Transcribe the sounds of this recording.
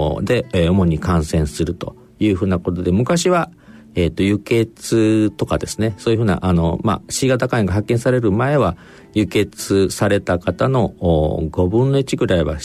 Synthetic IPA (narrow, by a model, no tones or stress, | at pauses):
d̪e̞omo̞ɲ̟ikãɰ̃sẽ̞ɰ̃sɨɾɯ̟t̪o̞ | jɯ̟ːɸɯ̟ːnako̞t̪o̞d̪e̞mɯ̟kaɕiβa | eːt̪ːo̞jɯ̟ke̞t͡sɨt̪o̞kad̪e̞sɨ̥ne̞so̞ːjɯ̟ɸɯ̟ːna̰ʔano̞̰ma̰ɕiːɡat̪akãẽŋɡaɦakːẽsaɾe̞ɾɯ̟mae̞βa | jɯ̟ke̞t͡sɨsaɾe̞t̪akat̪ano̞ɡo̞bɯ̟̃nːo̞it͡ɕiɡɯ̟ɾaiβa̰